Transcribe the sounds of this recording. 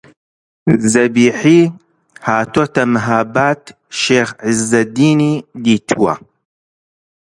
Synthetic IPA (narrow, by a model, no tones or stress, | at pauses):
zɐbiːħiː | haːt̪ot̪ɐmɨɦaːbaːt̪ | ʃeːxʕɪzːɐd̪iːniːd̪iːt̪ʰuwɐ̰